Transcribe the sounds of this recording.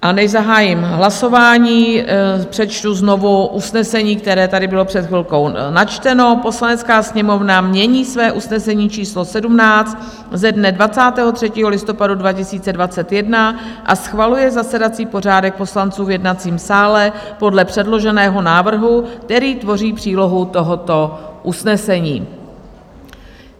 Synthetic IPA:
ʔanɛʒzaɦaːjɪmɦlaso̞vaːɲiːpr̝̥ɛt͡ʃt̪uzno̞vuʔusnɛsɛɲiːk̚t̪ɛɾɛːt̪adɪbɪlopr̥ɛt̪xvɪlko̞wnat͡ʃt̪ɛno̞po̞slanɛt͡skaːsɲɛmo̞vnamɲɛɲiːsvɛːʔusnɛsɛɲiːt͡ʃiːslo̞sɛdumnaːt͡st̪ | zɛdnɛdvat͡saːt̪ɛːɦo̞t̪r̝̥ɛciːɦolɪst̪o̞padudvacɪsiːt͡sɛdvat͡sɛt̪jɛdnaʔasxvalujɛzasɛdat͡siːpo̞r̝aːdɛk̚po̞slant͡suːvjɛdnat͡siːmsaːlɛ | po̞dlɛpr̝̥ɛdlo̞ʒɛnɛːɦo̞naːvr̩ɦuk̚t̪ɛɾiːt̪vo̞riːpr̥iːlo̞ɦut̪o̞ɦot̪o̞ʔusnɛsɛɲiː

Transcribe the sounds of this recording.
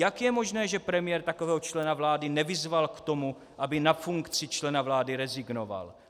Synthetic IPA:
jakjɛmo̞ʒnɛːʒɛpɾɛmɪjɛɾt̪akovɛːɦot͡ʃlɛnavlaːdɪnɛvɪzvalkt̪o̞mu | ʔabɪnafuŋkt͡sɪt͡ʃlɛnavlaːdɪɾɛzɪɡno̞va̰l

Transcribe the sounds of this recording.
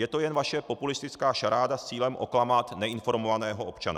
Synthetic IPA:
jɛt̪o̞jɛnvaʃɛpo̞pulɪst̪ɪt͡skaːʃaɾaːdast͡siːlɛmʔo̞klamaːt̪nɛɪnfo̞ɾmovanɛːɦoopt͡ʃa̰na̰

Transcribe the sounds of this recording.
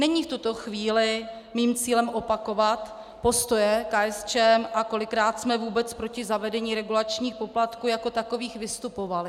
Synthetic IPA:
nɛɲiːft̪ut̪o̞xviːlɪ | miːmt͡siːlɛmʔo̞pako̞vat̪ | po̞st̪o̞jɛkaːɛst͡ʃɛmʔako̞lɪkɾaːt̪smɛvuːbɛt͡spɾo̞cɪzavɛdɛɲiːɾɛɡulat͡ʃɲiːxpo̞plat̪kuːjako̞t̪ako̞viːxvɪst̪upovalɪ

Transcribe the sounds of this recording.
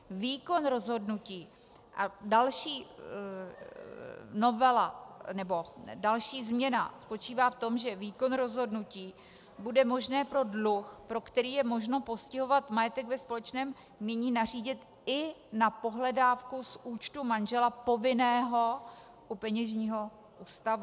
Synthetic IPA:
viːko̞nɾo̞zɦo̞dnuciː | ʔadalʃiː | no̞vɛlanɛbo̞dalʃiːzmɲɛna̰spo̞t͡ʃiːvaːft̪o̞mʒɛviːko̞nɾo̞zɦo̞dnuciː | budɛmo̞ʒnɛːpɾo̞dluxpɾo̞kt̪ɛɾiːjɛmo̞ʒno̞po̞scɪɦo̞vat̪majɛt̪ɛɡvɛspo̞lɛt͡ʃnɛːm | ɲɛɲiːnar̝iːɟɪt̪ | ɪnapo̞ɦlɛdaːfkusʔuːt͡ʃt̪umanʒɛlapo̞vɪnɛːɦo̞ | ʔupɛɲɛʒɲiːɦo̞ | ʔuːst̪avu

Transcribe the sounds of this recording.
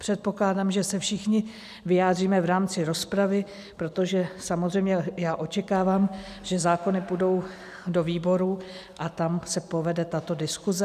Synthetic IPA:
pr̥ɛt̪̚po̞klaːdamʒɛsɛfʃɪxɲɪ | vɪjaːdriːmɛvɾaːmt͡sɪɾo̞spɾavɪ | pɾo̞t̪o̞ʒɛsamozrɛjmɲɛjaːʔo̞t͡ʃɛkaːvaːm | ʒ̥ɛzaːko̞nɪpudo̞w | do̞viːbo̞ɾuʔat̪amsɛpo̞vɛdɛt̪at̪o̞dɪskuzɛ

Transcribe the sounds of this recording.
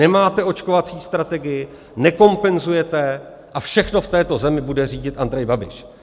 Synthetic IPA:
ɛmaːt̪ɛo̞t͡ʃko̞vat͡siːst̪ɾat̪ɛɡɪjɪ | nɛko̞mpɛnzujɛt̪ɛ | ʔafʃɛxno̞ft̪ɛːt̪o̞zɛmɪbudɛr̝iːɟɪt̪ʔand̪ɾɛjbabɪ̰ʃ

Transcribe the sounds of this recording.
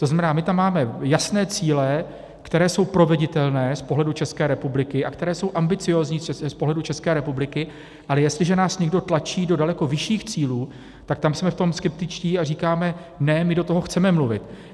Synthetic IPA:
t̪oznamɛnaːmɪt̪amːaːmɛjasnɛːt͡siːlɛ | kt̪ɛɾɛːso̞wpɾo̞vɛɟɪt̪ɛlnɛːspo̞ɦlɛdut͡ʃɛskɛːɾɛpublɪkɪʔakt̪ɛɾɛːso̞wʔambɪt͡sɪjo̞ːzɲiɛspoɦlɛdut͡ʃɛskɛːɾɛpublɪkɪ | ʔalɛjɛst̪lɪʒɛnaːsɲɛɡdo̞t̪lat͡ʃiːdo̞dalɛko̞vɪʃiːxt͡siːluː | t̪ak̚t̪amsmɛft̪o̞mskɛp̚t̪ɪt͡ʃciːariːkaːmɛ | nɛmɪdo̞t̪o̞ɦo̞xt͡sɛmɛmluvɪ̰t̪

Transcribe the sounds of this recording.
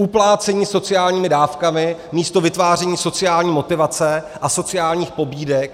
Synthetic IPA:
uplaːt͡sɛɲiːso̞t͡sɪjaːlɲiːmɪdaːfkamɪmiːst̪o̞vɪt̪vaːr̝ɛɲiːso̞t͡sɪjaːlɲiːmo̞t̪ɪvat͡sɛ | ʔaso̞t͡sɪjaːlɲiːxpo̞biːdɛk̚

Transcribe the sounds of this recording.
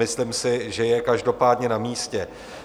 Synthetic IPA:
ɪslɪmsɪʒɛjɛkaʒdo̞paːdɲɛnamiːscɛ

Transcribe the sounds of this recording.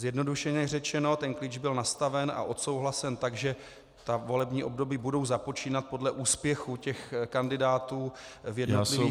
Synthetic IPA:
zjɛdno̞duʃɛɲɛrɛt͡ʃɛno̞t̪ɛnkliːd͡ʒbɪlnast̪avɛnʔa̰ʔo̞t̪so̞wɦlasɛnt̪aɡʒɛ | t̪avo̞lɛbɲiːʔo̞bdo̞biːbudo̞wzapo̞t͡ʃiːnat̪̚po̞dlɛʔuːspjɛxucɛxkandɪdaːt̪uːvjɛdnolɪviː

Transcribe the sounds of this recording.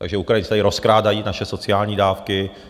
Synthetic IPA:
t̪a̰ɡʒɛukɾajɪnt͡sɪt̪adɪɾo̞skɾaːdajiːnaʃɛso̞t͡sɪaːlɲiːdaːfkɪ

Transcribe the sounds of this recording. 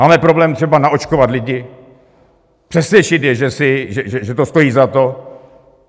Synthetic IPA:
maːmɛpɾo̞blɛːmt̪r̥ɛbanaʔo̞t͡ʃkovat̪lɪɟɪ | pr̥ɛsvjɛt͡ʃɪt̪jɛʒɛsɪʒɛʒɛʒɛt̪ost̪o̞jiːzat̪o̞

